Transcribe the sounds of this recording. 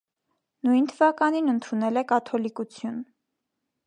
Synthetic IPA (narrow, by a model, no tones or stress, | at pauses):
nujnt̪ʰəvɑkɑninənt̪ʰunɛlɛkɑt̪ʰɔlikut͡sʰjun